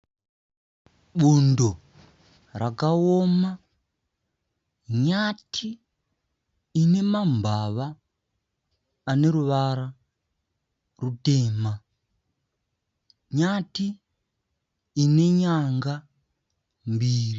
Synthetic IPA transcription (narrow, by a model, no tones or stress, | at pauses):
ɓundo | rakaoma | ɲatʰi | ne̞mambʱaʋa | ne̞ɾuʋaɾa | rute̞ːma | ɲati | ne̞ɲaŋɡa | mbiːri